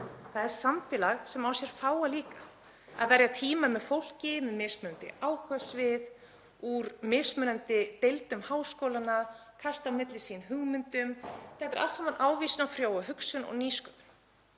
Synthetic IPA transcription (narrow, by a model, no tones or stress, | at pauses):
θaðɛɾ̥samt̪ɪlaɣsɛmawsjɛɾ̥faːwaliːkḁ | a̰ðvɛɾjat̪ʰiːmamɛðfowl̥cɪmɛðmɪːsmœɾʏnt̪ɪ̰ʔaːwhœsvɪð | uɾmɪːsmœɾant̪ɪt̪ejlt̪ʏmhaːwskowlanakʰast̪amɪt̪lɪsinɦʏɣmʏnt̪ʏmθɛt̪ɪɾalt̪sɛmanʔaːwviːsɪnawfɾjaːwaɦʏksʏnɔ̰ɣniːskʏm